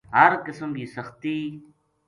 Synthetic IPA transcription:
ɦəɾkəsəmkiːsəxt̪iː

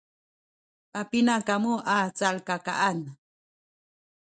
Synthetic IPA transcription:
apinakamuʔaːt͡salkaka̰ʔan

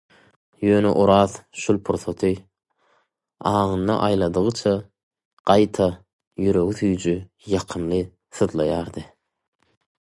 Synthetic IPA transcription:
jø̞ːnḛʔuɾɑːðʃulˠpʰuɾθot̪ʰɯ | ɑːʁɯnd̪ɑ̰ʔɑjlˠɑd̪ɯʁɯt͡ʃʰɑ | ɢ̥ɑjt̪ʰɑ | jyɾø̞ɣyθyjd͡ʒy | jɑqʰɯnlˠɯ | θɯðlˠɑjɑːɾd̪ɯ

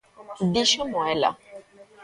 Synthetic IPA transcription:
ɖiʃəmɔ̃ɛla̰

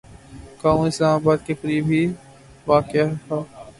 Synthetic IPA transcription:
kãːũɪslaːmaːbaːd̪kekɾiːbʱi | ʋaːkeat̪ʰaː

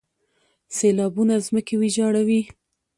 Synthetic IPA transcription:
selɑbunazməkewid͡ʒɑɽawi

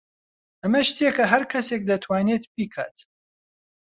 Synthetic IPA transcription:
ʔɐmɐʃt̪iekɐɦɐɾkʰɐsek̚d̪ɐt̪ʰwaːnet̪piːkʰa̰ːt̪

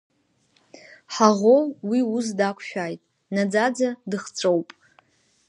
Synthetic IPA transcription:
ħaʁowwius̬dakʷʰʃᶣajtʼ | nad͡zad͡zadɨχt͡sʷʼowpʼ

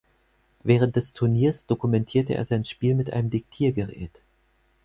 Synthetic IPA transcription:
vɛːʁ̞ənt̚d̥ɛstʰʊɐniːɐsd̥okumɛntʰiːɐtəʔḛːɐzaɪnʃpiːlmɪtʔa̰nəmdɪk̚tʰiːɐɡəʁ̞ɛ̰ːt

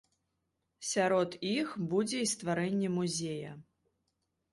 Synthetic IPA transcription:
sʲaɾɔt̪ixbud͡zʲɛist̪vaɾɛnʲːɛmuzʲejɐ̰

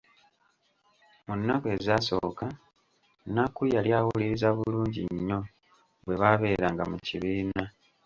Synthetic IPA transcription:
munːakwe̞zaːso̞̰ːka | nakujaljaːwuliɾizaβuluːɲɟḭɲːo̞ | βwe̞βaβe̞ːɾaŋɡa̰muciβiːna

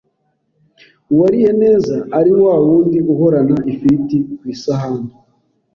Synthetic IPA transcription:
uwaɾije̞ne̞ːzaːɾiwawuːndiuho̞ɾanaʔifitikwiːsaɦaːndu

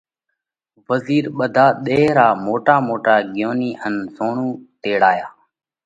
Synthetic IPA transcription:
ʋəziːɾɓəd̪ʱaːɗ̪eːɾaːmoːʈaːmoːʈaːɡɪjoːniːənzoːɳuːt̪eːɽaːjaː

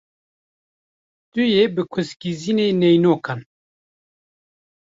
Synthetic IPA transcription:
t̪ujebɨkʰɨskizineːnejnoːkʰan

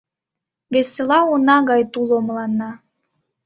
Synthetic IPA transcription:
βeselɑonɑɣɑjt̪ulomlɑnːɑ

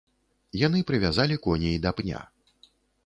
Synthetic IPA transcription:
janɨpɾɨvʲazalʲikɔnʲeid̪apnʲa̰

